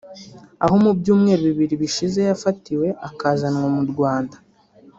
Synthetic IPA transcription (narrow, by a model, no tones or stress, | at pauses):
aho̞mubjuːmŋe̞ːɾiβiβiɾiβiʃize̞jafatiwe̞ʔakaːzanŋomuɾɡwaːndḁ